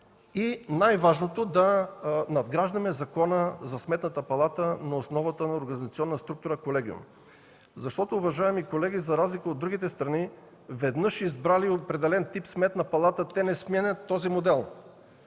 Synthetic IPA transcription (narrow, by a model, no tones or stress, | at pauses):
inajvaʒnot̪od̪ɐnɐd̪ɡɾaʒd̪ɐmɛzɐkɔnəzɐsmɛt̪nət̪əpɐlˠat̪ənɐosnɔvət̪ənɐoɾɡɐnizɐt̪siɔnːəst̪ɾuk̚t̪ʊɾəkolɛɡ̟ʲiṵm | zɐʃt̪ɔt̪oːvɐʒaɛmikolɛɡʲizɐɾazlikəod̪ːɾuɡit̪ɛst̪ɾɐni | vɛd̪nɤʃizbɾaliopɾɛd̪ɛlɛnt̪ipsmɛt̪nɐpɐlˠat̪ət̪ɛnɛsmʲɛnʲɛt̪ːɔzimod̪ɛlˠ